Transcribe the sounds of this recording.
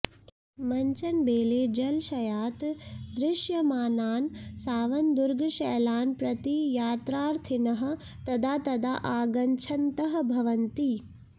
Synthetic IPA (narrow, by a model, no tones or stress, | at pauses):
mɐɲt͡ʃɐnbeːleːd͡ʒɐlʃɐjaːt̪d̪ɾɪʃjɐmaːnaːnsaːʋɐnd̪uɾɡʱɐʃɛːlaːnpɾɐt̪ijaːt̪ɾaːɾt̪ʰinɐɦɐ̆ | t̪ɐd̪aːt̪ɐd̪aʔaːɡɐɲt͡ʃʰɐnt̪ɐɦɐ̆bʱɐʋɐnt̪i